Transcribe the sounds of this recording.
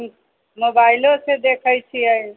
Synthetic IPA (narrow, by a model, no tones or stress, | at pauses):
mobailosed̪ekʰəjt͡ʃʰiə